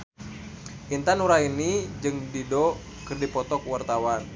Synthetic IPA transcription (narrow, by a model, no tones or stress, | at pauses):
ʔint̪anuɾainid͡ʒɨŋdido | kɨrdipɔt̪ɔkuwart̪awan